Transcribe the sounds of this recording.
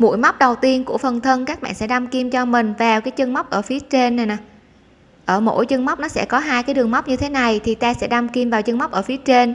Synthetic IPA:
mṵ˧˥jma˦˥k͡p̚ɗə˨˩wt̪i˧ənku˧˩əfə˨˩nt̪ʰə˧nkaː˦˥k̚ɓa̰ː˧˨nsɛ̰˧˥ɗa˧mki˧mt͡ɕɔ˧mï˨˩ŋ̟vaː˨˩wkaː˨˦jt͡ɕə˧ŋma˦˥wk͡p̚ʔəː˧˩fi˨˦ət͡ɕe˧nːa˨˩jna˨˩ | ʔəː˧˩mo̰˧˥˩jt͡ɕə˧ŋma˦˥k͡p̚nɔ˨˦sɛ̰˧˥kɔ˨˦ɦaː˧jkaː˨˦jɗɨ˨˩əŋma˦˥k͡p̚ɲɨ˧t̪ʰe˨˦na˨˩jt̪ʰi˨˩t̪aː˧sɛ̰˧˥ɗa˧mki˧mvaː˨˩wt͡ɕə˧ŋma˦˥k͡p̚ʔəː˧˩fi˨˦ət͡ɕe˧n

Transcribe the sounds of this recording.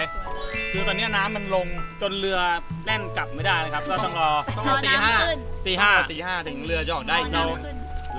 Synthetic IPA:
du˧˩t̪ɔː˧nːi˦˥ɐ˨naː˦˥mːa˧nlo˧ŋt͡ɕo˧nlɯ˧ɐ | lɛ˥˩nka˨˩p̚ma˥˩jdaː˥˩jna˧kʰa˦˥p̚kɔː˥˩t̪ɔ˥˩ŋɾɔː˧˩ɔ˥˩ʔɔː˧t̪iː˨˩ɦaː˥˩˧nt̪iː˨˩aː˥˩˨t̪iː˨˩haː˥˩t̪ʰɯ˩˦ŋlɯ˧ɐt͡ɕɔː˨˩k̚daː˥˩ʔi˧no˧

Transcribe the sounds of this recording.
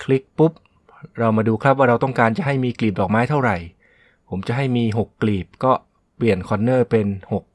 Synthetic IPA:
kʰli˦˥k̚pu˦˥p̚ | ɾa˧wmaː˧duː˧kʰɾa˦˥p̚waː˥˩ɾa˧wt̪ɔ˥˩ŋkaː˧nt͡ɕa˨˩ʔɦa˥˩jmiː˧kliː˨˩p̚dɔː˨˩k̚maː˦˥jt̪ʰa˥˩wɾa˨˩j | pʰo˩˦mt͡ɕa˨˩ʔɦa˥˩jmiː˧ɦo˨˩kːliː˨˩p̚kɔː˥˩ | pli˨˩ənkʰɔː˧nːɤː˥˩pe˧nho˨˩k̚

